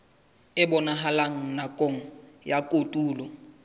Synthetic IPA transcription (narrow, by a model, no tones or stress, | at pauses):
ɪbʊnaɦalaŋ̩nakʼoŋ̩ | jakʼotʼuːlɔ